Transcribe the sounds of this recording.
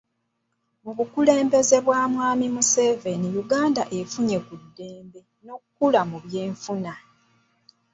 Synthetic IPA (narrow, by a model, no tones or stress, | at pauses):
muβukule̞ːmbe̞ze̞βwaːmwaːmimuse̞ve̞nijuɡaːndaʔe̞fuɲe̞kudːe̞ːmbe̞ | no̞kukulamuβje̞ːɱfuna